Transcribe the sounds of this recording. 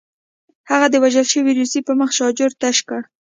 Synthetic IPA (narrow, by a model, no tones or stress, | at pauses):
haɣad̪əwaʒəlʃəwiɾusipəməxʃɑd͡ʒʊɾt̪aʃka